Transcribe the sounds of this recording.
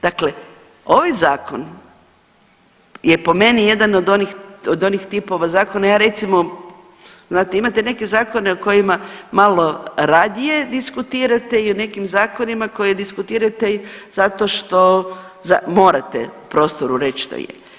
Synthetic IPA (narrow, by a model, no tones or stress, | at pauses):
d̪̥akle̞ | o̞ʋajzaːkon | jepo̞me̞nije̞d̪anod̪o̞nixod̪o̞nixt̪ipo̞ʋazaːkonajaːɾe̞t̪simo̞ | znaːt̪eimat̪ene̞ke̞zaːko̞neoko̞jimamalo̞ɾad̪ije̞d̪iskut̪iːɾat̪e̞ione̞kimzaːko̞nimako̞jed̪iskut̪iːɾat̪e̞z̥at̪o̞ʃt̪o̞ | zamo̞ːɾat̪ḛupɾo̞ːst̪oɾuɾe̞t͡ɕʃt̪o̰jḛ